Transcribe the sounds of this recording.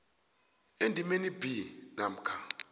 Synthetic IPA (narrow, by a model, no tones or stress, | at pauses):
endʱimenibinam̩kʰa